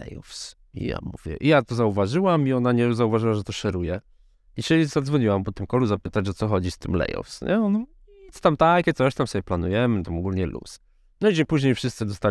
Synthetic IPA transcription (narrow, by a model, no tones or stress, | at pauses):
lɛ̰jɔfs | ḭja̰mṵvʲjɛ̰ʔijat̪ɔzauvaʐɨwamiɔnaɲɛzauvaʐɨwaʐɛt̪ɔʂɛɾujɛ | iɕɛzad̪zvɔɲiwampɔt̪ɘmkɔluzapɘt̪at͡ɕɔt̪ɔxɔd͡ʑist̪ɘmlɛ̰jɔ̰fsɲɛɔn | iɔ̥t̪amt̪akkʲɛsɔɕt̪amsɔbʲjɛplanujɛmɘnt̪amɔɡulʲɲɛlṵs | nɔid͡ʑepuʑɲejfʂɨst̪sɘd̪ɔst̪a